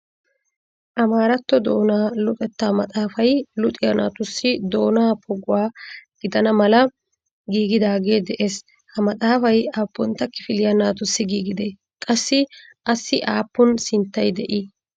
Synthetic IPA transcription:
ʔɐmaːɾɐt̪ːɔd̪o̞ːnaːlʊt̪ʼɛt̪ːaːmɐt̪ʼaːfɐjlʊt̪ʼɪjɐna̰ːt̪ʊsːɪd̪o̞ːnaːpʰɔɡʊwaːɡ̥ɪd̪ɐnɐmɐlɐ | ɡiːɡɪd̪aːɡe̞ːd̪ɛʔe̞ːs | hɐmɐt̪ʼaːfɐjaːpːɔnt̪ːɐkːɪfɪlɪjɐnaːt̪ʊsːɪɡiːɡɪd̪e | kʼɐsːɪ | ʔɐsːɪʔaːpːɔnsɪnt̪ːɐjd̪ɛʔɪ

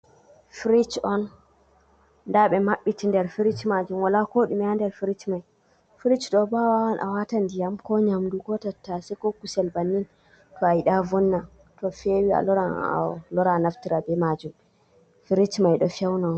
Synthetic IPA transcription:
fɾit͡ʃɔn | daɓɛmaɓːitindɛɾfiɾit͡ʃmad͡ʒumwalakoɗumɛandɛɾfiɾit͡ʃmaj | fɾit͡ʃɗɔbawawanʔa̰watandijamkɔɲamduɡɔtatːasɛkɔkusɛlbanːin | tɔajiɗavɔnːa | tɔfewia̰lɔɾa̰lɔɾanaftiɾabɛmad͡ʒum | fiɾit͡ʃmajɗɔfɛwna

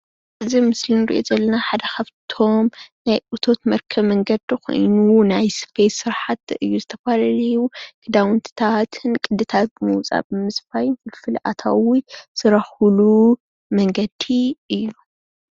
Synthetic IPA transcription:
ʔɨzimɨslinɨɾḭʔozɐlːɐnaħad̪ɐkʰaβt̪ʰo̞mnajʔut̪ʰo̞t̪mɐɾkʰɐβmɐŋɡɐd̪iko̰jnunajspʰejsːɨɾħat̪ʔɨjːuzɨt̪ʰɐfalɐlijukʰɨd̪awnt̪ʰɨ̥t̪ʰat̪ʰɨnkʼɨd̪ɨt̪ʰat̪̚ɨmɨwt͡sʼa̰bɨmɨsbajɪnfɨlfɨlʔa̰t̪ʰa̰wisɨɾɐhulu | mɐŋɡɐd̪iɨjːu

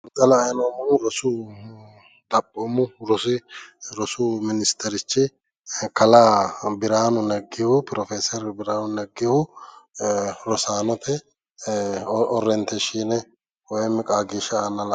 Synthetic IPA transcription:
t̪ʼɐlɐːjnoːmʊnɾɔsu | d̪ɐpʼːoːmːʊɾɔsɪɾɔsumɪnɪst̪ʰɛɾɪt͡ʃːɪ | kɐlabɪɾaːnʊnɐɡːɪhʊpɪɾɔfeːsɔɾbɪɾaːnʊnɐɡːɪhʊ | ɾɔsaːnɔt̪ɛ | ɔrːɛnt̪ɛʃiːnɛ | wɔjɛmːɪkʼaːɡiːʃɐanːɐl

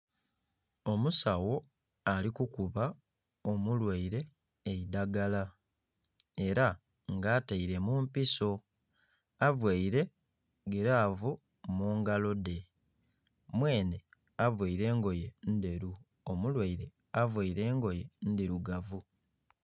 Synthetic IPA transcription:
o̞musawo̞ | alikukuβa | o̞mulweiɾe̞ː | idaɡala | e̞ɾa | ŋɡaːtaiɾe̞mumpiso̞ | avweiɾe̞ | ɡeɾaːvo | muːŋɡalo̞de̞ | mwe̞ːnde | avweiɾe̞ːŋɡo̞je̞nde̞ɾu | omulwaiɾe̞ | avwaiɾe̞ːŋɡo̞je̞ndiɾuɡavu

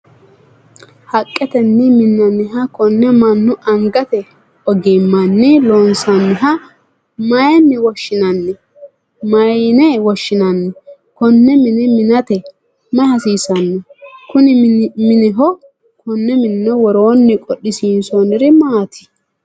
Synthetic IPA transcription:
hɐkʼːɛt̪ɛnːɪmɪnːɐnːɪɦɐkɔnːɛmɐnːʊʔɐŋɡɐt̪ɛ | ɔɡɪmːɐnːɪlonsɐnːɪɦɐ | mɐjɛnːɪwɔʃːɪnɐnːɛ | mɐjnɛwɔʃːɪnɐnːɛ | kɔnːɛmɪnɛmɪnɐt̪ɛ | mɐhɐsiːsɐnːɛkʊnɪmɪnɛɦɔ | kʰɔnːɛmɪnːɛwɔɾo̞ːnːɪkʼɔɗɪsiːnsonɪɾɪmaːt̪ʰɪ̥

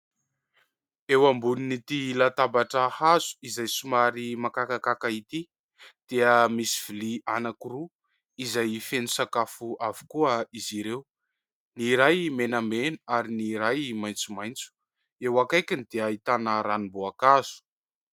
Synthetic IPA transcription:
ewambuninit̪ilat̪abaʈ͡ʂahazu̥izajsumaɾimakakakakait̪i | d̪̥eəmisi̥v̥ilianakuɾu | izajfenusakafuavu̥kuəiziɾew | niɾajmenamenaaɾiniɾajmajnt͡sumajnt͡su̥ | ewakajkʲinid̪̥eait̪anəɾanimboakazu̥

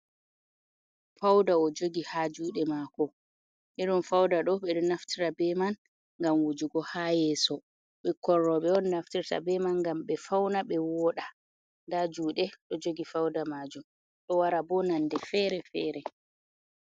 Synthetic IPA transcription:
fawdaɔd͡ʒoɡihad͡ʒuːɗɛmakɔ | ʔɛɗɔnfawdaɗɔɓɛɗɔnaftʰiɾabɛman | ŋɡamwud͡ʒuɡɔhajɛːsɔ | ɓɛkɔrːɔɓɛɔnːaftiɾta̰bɛmanɡamɓɛfawnaɓɛwɔɗa | ndad͡ʒuːɗɛɗɔd͡ʒoɡifawdamad͡ʒum | ɗɔwaɾabɔnandɛfɛɾɛfɛːɾɛ

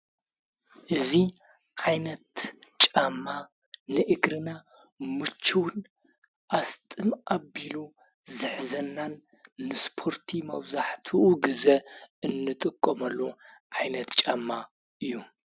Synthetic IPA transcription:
ʔɨzi | ʕajnɐt̪t͡ʃʼamːa | nɨʔɨɡɾɨna | mɨt͡ʃʰːuwn | ʔast̪ʼɨmabilu | zɨħzɐnːanː | ɨspʰo̞ɾt̪ʰimɐβzaħt̪ʰuɡɨzɐɨnːɨt̪ʼɨkʼːomɐlːu | ʕajnɐt̪t͡ʃʼamːa | ʔɨjːu

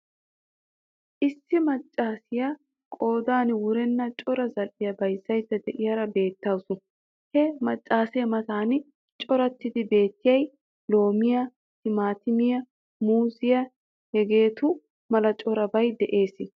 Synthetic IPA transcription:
ʔɪsːɪmɐt͡ʃʼːaːsɪjɐ | kʼo̞ːd̪aːnwʊɾɛnːɐt͡ʃʼɔɾɐzɐlʔɪjɐbɐjsːɐjt̪ːɛd̪ɛʔɪjɐɾɐbe̞ːt̪ːɐwsʊ | hɛmɐt͡ʃʼːaːsɪjɐmɐt̪aːn | t͡ʃʼɔɾɐt̪ːɪd̪ɪbe̞ːt̪ːɪjɐj | lo̞ːmɪjɐ | tɪmaːt̪ɪmɪjɐ | muːzɪjɐ | hɛɡe̞ːt̪ʊ | mɐlɐt͡ʃʼɔɾɐbɐjd̪ɛʔe̞ːsɪ

